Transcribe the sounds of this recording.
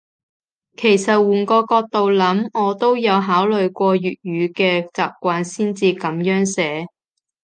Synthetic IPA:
kʰe˨˩jsɐ˨t̚wuː˨˩nkɔː˧kɔː˧k̚t̪o˨wlɐ˨˥mŋɔː˨˧t̪o˥wjɐ˨˧wɦaː˨˥wlɵ˨ɥkʷɔː˧jyː˨t̚jyː˨˧kɛː˧t͡saː˨p̚kʷaː˧nsiː˥nt͡siː˧kɐ˨˥mjœː˨˥ŋsɛː˨˥

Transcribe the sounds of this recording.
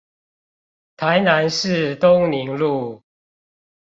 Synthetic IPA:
t̪ʰa˨˦ɪna˨˦nʂɻ̩˥˨t̪ʊ˦ŋni˨˦ŋlu˥˨

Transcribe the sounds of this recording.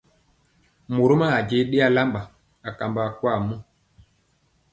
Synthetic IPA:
mo˨ɾo˦ma˦a˨d͡ʒe˨˦ɗe˦a˦la˦mba˨ | a˨ka˨mba˨kwa˦˨mo˦

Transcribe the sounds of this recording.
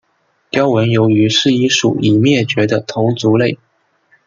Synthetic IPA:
t̪jɑ˥ʊwə˧˥njo˧˥ʊy˧˥ʂɻ̩˥˩i˥ʂṵ˨˩i˨˩mjɛ˥˩t͡ɕɥɛ˧˥d̪ə˧t̪ʰo˧˥ʊt͡su˧˥le˥˩ɪ

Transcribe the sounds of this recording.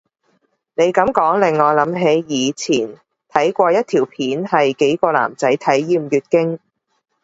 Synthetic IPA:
ne˨˧jkɐ˨˥mkɔː˨˥ŋlɪ˨˩ŋːɔː˨˧jlɐ˨˥mɦe˨˧˥jjiː˨˧t͡sʰiː˨˩n | t̪ʰɐ˨˥jkʷɔː˧jɐ˥t̚t̪ʰiː˨˩wpʰiː˨˥nhɐ˨jke˨˥jkɔː˧la̰ː˨˩mt͡sɐ˨˥jt̪ʰɐ˨˥jːiː˧mjyː˨˧t̚kɪ˥ŋ

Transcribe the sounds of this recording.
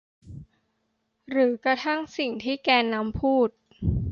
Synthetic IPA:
ɾɯː˩˦kɾa˧t̪ʰa˥˩ŋsi˨˩ŋt̪ʰiː˥˩kɛː˧nːa˦˥mpʰuː˥˩t̪̚

